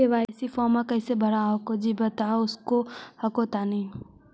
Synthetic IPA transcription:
eʋaːsifɔːmakɐɪsebɐɾaɦokod͡ʒibɐt̪aʊskohɐkot̪ani

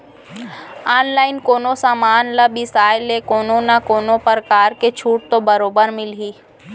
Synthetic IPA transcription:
aːnlaːɪnkoːnosaːmaːnlɐbisaːjlekoːnonakoːnopəɾkaːɾket͡ʃʰuːʈ̚t̪obəɾoːbəɾmɪlɦiː

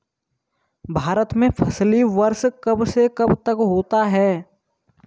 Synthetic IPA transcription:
bʱaːɾət̪mẽpʰəsliʋəɾskɐbsekɐbt̪əkɦoːt̪aɦɛː

